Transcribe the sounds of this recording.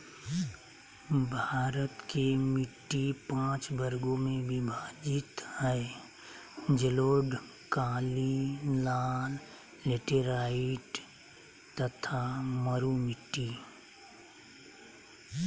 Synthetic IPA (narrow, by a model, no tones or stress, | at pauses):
bʱaːɾət̪kemɪʈːipãːt͡ʃbəɾɡõmẽbʱibʱaːd͡ʒɪt̪hɛː | d͡ʒəloːɖ | kaːlilaːlː | eʈeɾaːɪʈ | t̪ɐt̪ʰaməɾumɪʈːi